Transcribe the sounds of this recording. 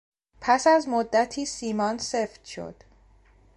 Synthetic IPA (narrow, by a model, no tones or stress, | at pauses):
pʰæsæzmod̪ːæt̪ʰiːsiːmɒːnse̞ft̪ʃo̞̰d̪̥